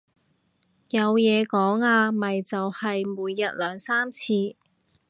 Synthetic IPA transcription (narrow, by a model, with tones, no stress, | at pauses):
jɐ˨˧wjɛː˨˧kɔː˨˥ŋaː˧mɐ˨jt͡sɐ˨whɐ˨jmuː˨˧jːɐ˨t̚lœː˨˧ŋsaː˥mt͡sʰiː˧